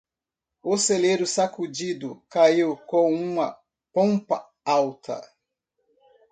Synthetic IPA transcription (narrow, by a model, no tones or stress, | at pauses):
oseleɾʊsakud͡ʒid̪ʊkaiwkõw̃ũmɐ | põmpɐ | awt̪ɐ̰